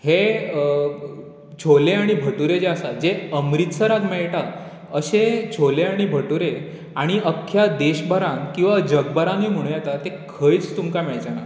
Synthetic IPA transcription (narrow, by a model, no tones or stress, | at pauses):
he | t͡ɕʰoleaɽ̃ibʱəʈuɾed͡ʑeəsad͡ʑeəmɾit̪səɾat̪meɭʈa | əɕet͡ɕʰoleaɽ̃ibʱəʈuɾe | aɽ̃iʔəkʰːjad̪eɕbəɾãŋkĩw̃ʋad͡ʑəɡbəɾãnim̤əɽ̃ũjɛt̪at̪ekʰəjt͡st̪umkamɛɭd͡ʑaña